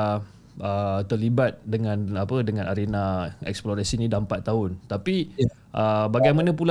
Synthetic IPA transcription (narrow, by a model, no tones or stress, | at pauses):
ət̪ərlibat̪̚dəŋãnapədəŋãnʔaɾenaɛ̰ksploɾasinĩdampat̪ːaɦʊnt̪api | ʔəbaɡajmanə̃p̬ul